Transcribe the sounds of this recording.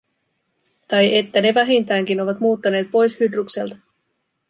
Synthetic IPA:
t̪ɑjʔe̞t̪ːæne̞ʋæɦint̪æːŋk̟ino̞ʋɑt̪muːt̪ːɑne̞ːt̪̚po̞jshyd̪rukse̞̰lt̪ɑ̥

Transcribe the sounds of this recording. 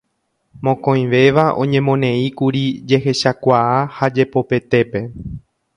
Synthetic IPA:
mõ̞kõj̃ʋe̞ʋaʔõ̞̰ɲẽmõnẽ̞ikuɾid͡ʒe̞ɦe̞ʃakʷaahad͡ʒe̞po̞pe̞t̪e̞pe̞

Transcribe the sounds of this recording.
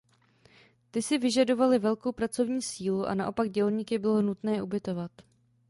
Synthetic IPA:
t̪ɪsɪvɪʒado̞valɪvɛlko̞wpɾat͡so̞vɲiːsiːluʔa̰naʔo̞paɡ̚ɟɛlɲikɪbɪlonut̪nɛːʔubɪt̪o̞vat̪

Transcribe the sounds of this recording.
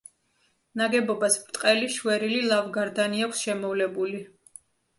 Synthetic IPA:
naɡɛbɔbasbɾt̪ʼqʼɛliʃwɛɾililˠavɡaɾd̪aniakʷʰsʃɛmɔvlɛbuli

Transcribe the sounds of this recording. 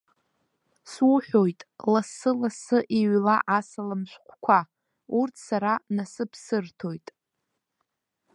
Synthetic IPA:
swuħʷᶣo̞jtʼlasɨlasɨʔiɥlaʔasalamʃʷᶣqʷʰkʷʰa | urtʰsaɾanasɨpʰsɨrtʰo̞jtʼ

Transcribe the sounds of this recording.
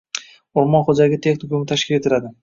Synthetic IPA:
oɾmɒnχod͡ʒaɪɡʲat̪ʰe̞xnɪkomɪt̪ʰaʃkʲɪle̞t̪ʰɪlad̪ɪ

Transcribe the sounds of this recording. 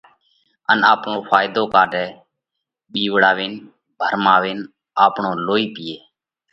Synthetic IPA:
ənaːpɳoːpʰaːjd̪oːkaːɖɛː | ɓiːʋɽaːʋeːn | bʱəɾmaːʋeːn | aːpɳoːloːiːpɪjeː

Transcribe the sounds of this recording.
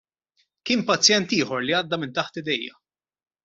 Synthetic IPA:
kɪːnmpɐt͡sjɛnt̪ɪːħɔɾliɐːd̪ːɐmɪnt̪ɐħt̪ɪd̪ɛjːɐ̰

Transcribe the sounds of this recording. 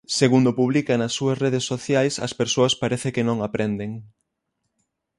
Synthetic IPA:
seɣund̪ʊpuβlikɐnɐsːuɐsreð̞esːoθjajsɐ̰speɾsoɐspaɾeθɪkɪnõŋapɾʔend̪eŋ

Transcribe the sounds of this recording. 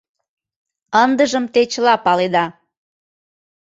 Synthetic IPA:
ənd̪əʒəmt̪et͡ɕlɑpɑled̪ɑ

